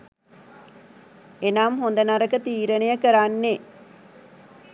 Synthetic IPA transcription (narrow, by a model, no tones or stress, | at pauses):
enaːmhond̪ənaɾəkət̪iːɾənejəkəɾanːe